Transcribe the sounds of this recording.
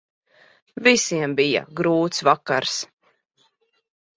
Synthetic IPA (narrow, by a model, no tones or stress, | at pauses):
visiɛmbija̰ɡɾuːt̪svakaɾs